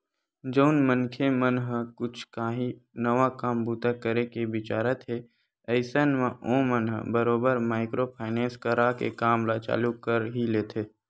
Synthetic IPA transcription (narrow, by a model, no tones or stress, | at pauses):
d͡ʒəʊnmənkʰemənɦkʊt͡ʃʰkaɦinəʋakaːmbuːt̪akəɾekebɪt͡ʃaːɾət̪ɦe | əɪsənmãʔõːmənɦəbəɾoːbəɾmaːɪkɾopʰaːɪnẽːnskəɾakḛkaːmlat͡ʃa̰ːlukəɾɦileːt̪ʰeː